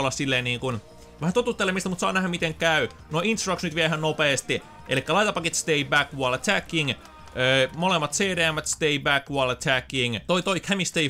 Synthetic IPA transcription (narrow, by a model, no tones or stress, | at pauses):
lːɑssilːeːniːŋkun | ʋæhænt̪ot̪ut̪ːelemist̪æmut̪sɑːnæhæmit̪eŋkæy | noint̪rɑksnyt̪ʋiæhænnopeːst̪i | ʔḛlikːælɑijt̪ɑpːɑkit̪st̪eibækʋuɑlt̪ʰækːiŋ | øːmolemːɑt̪seːɾeæmːæt̪st̪eibækʋuɑlt̪ʰækːiŋt̪oit̪oikhæmist̪ei